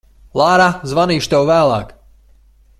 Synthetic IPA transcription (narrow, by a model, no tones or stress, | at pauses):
lˠaːɾazvaniːʃt̪ɛwvæːlˠa̰ːk